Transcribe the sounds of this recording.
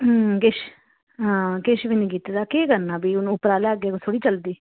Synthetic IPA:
kɪʃ | ɦãːkɪʃʋiniːkiːt̪ːd̪aːkeːkənaːbiːʊñːʊpɾaːlaːɡeːkot̪ʰoːɽiːt͡ʃəld̪iː

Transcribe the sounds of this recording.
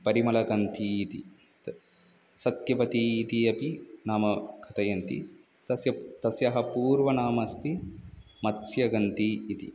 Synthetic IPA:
pɐɾimɐlɐɡɐnt̪ʰiːt̪ḭ | sɐt̪jɐpɐt̪iːt̪iɐpinaːmɐɡʰʱɐt̪ɐjɐnt̪ḭ | t̪ɐsjɐt̪ɐsjɐɦɐpuːɾʋɐnaːmɐst̪ʰi | mɐt̪sjɐɡɐnt̪iːt̪ḭ

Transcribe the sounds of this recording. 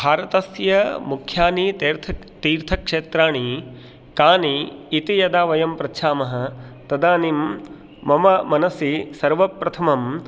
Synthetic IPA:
bʱaːɾɐt̪ɐsjɐmukʰjaːnit̪ːɾt̪ʰ | t̪iːɾt̪ʰɐkʂeːt̪ɾaːɳ̃i | kaːniːt̪ijɐd̪aːʋɐjɐmpɾɐtːʃʰaːmɐɦɐ̆t̪ɐd̪aːnimː | ɐmɐmɐnɐsisɐɾʋɐpɾɐt̪ʰɐmɐm

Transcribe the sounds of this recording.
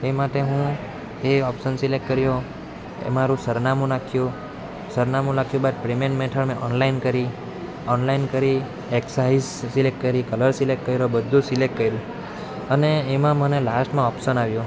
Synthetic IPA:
emaʈeɦũ | eɔpsənsilek̚ʈkəɾjo | ḛmaɾũsəɾnamũnakʰjũ | səɾnamũnakʰjũbad̪pɾimẽɳʈmɛ̃ʈʰəɭmẽʔɔnlainkəɾi | ɔnlainkəɾi | eksaizsilekʈ̚kəɾikələɾsilek̚ʈkəjɾobəd̪ʱːũsilek̚ʈkəjɾũ | əneːmãmənelasʈmãɔpʃənaʋjũ

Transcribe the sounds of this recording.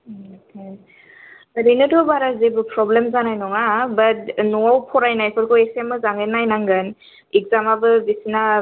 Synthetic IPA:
kʰe | aɾinɯdɔbaɾazebɯpɾɔblemzanajnɔŋabɐt̚nɔawpʰɔɾajnajkʰɯɾkɔesemɯzaŋenajnaŋɡɯn | ik̚zamabɯbisina

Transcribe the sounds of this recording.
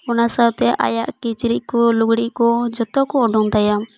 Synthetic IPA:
ɔnasawt̪ɛʔa̰jaʔkit͡ʃɾic̚kɔluɡɽiʔ̚kɔd͡ʒɔt̪ɔkɔːɖuŋd̪ajam

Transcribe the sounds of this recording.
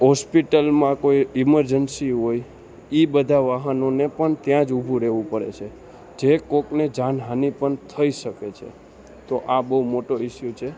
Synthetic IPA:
ɦɔspiʈəlmãkoiɪməɾd͡ʒənsiɦoj | ibəd̪ʱaʋaɦənonepəɳt̪jãd͡ʒubʱũɾeʋũpəɾḛt͡ʃʰe | d͡ʒekokned͡ʒãnɦanipəɳt̪ʰəiʃəket͡ʃʰḛ | t̪oʔabəɦumoʈoɪʃjot͡ʃʰe

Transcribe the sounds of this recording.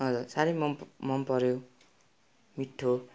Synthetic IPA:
ʌd͡zursaɾʌjmʌmʌmpʌɾjo | miʈʰːo

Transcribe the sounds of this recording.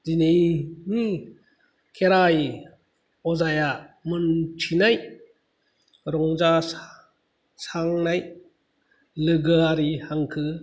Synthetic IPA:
dinejni | kʰeɾaj | ɔzajamɯntʰinaj | ɾɔŋza | saŋnaj | lɯɡɯaɾihaŋkʰɯ

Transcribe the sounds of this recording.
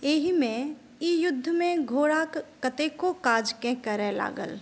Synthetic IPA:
eːɦimẽ | ijʊd̪ʱːmẽɡʱoːɽakkət̪eːkokaːd͡ʒkẽkəɾɛla̰ːɡə̰l

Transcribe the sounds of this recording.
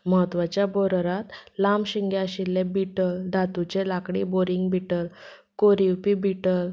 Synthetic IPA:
məɦət̪ʋat͡ɕjaboɾəɾat̪lamɕiŋɡjaɕilːebiʈəld̪ʱat̪ut͡ɕelakɽiboɾiŋɡbʱiʈəl | koɾiwpibiʈəl

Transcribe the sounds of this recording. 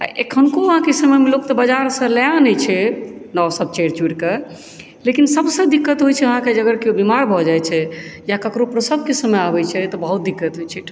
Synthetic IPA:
a̰ʔḛkʰənkoəɦãkesəmɛmelok̚t̪ɔbəd͡ʒaɾsə̃ljãnɛjt͡ʃʰɛnɔsəb̚t͡ʃeɾt͡ʃuʈke | lekinsəbsə̃d̪ikːət̪ɦojt͡ʃʰɛəɦãked͡ʒəɡəɾkeobimaɾbʱɔd͡ʒajt͡ʃʰɛjakəkɾopɾəsəb̚ʱkesəmeabɛt͡ʃʰɛt̪ɔbəɦut̪̚d̪ikːət̪ɦojt͡ʃʰiʈ̪ʰ

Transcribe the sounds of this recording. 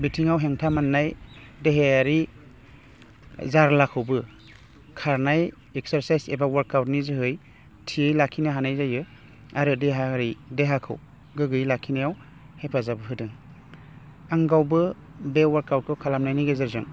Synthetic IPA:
bitʰiŋawɦeŋtʰamanːajdeɦeaɾi | zaɾlakʰɯwbɯ | kʰaɾnaj | ekseɾsajsebawaɾkawtnizɯɦɯj | tʰiejlakʰːinɯɦanajzajɯ | aɾɯdeɦaaɾideɦakʰɯ̰w | ɡɯɡɯjlakʰinajaw | hepʰazabɯɦɯdɯŋ | aŋɡawbɯ | bewaɾkawt̚kʰɯwkʰalamnajniɡezɯɾzɯŋ

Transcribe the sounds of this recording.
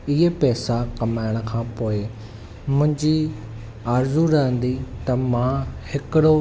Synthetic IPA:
ɪɦepɛːsakɐmaːɪɽ̃ə̆kʰãːpoːɪ | mʊ̃ɦɪ̃ɲd͡ʑi | aːɾzuɾɐɦə̃nd̪it̪ɐmãːhɪkɪɽo

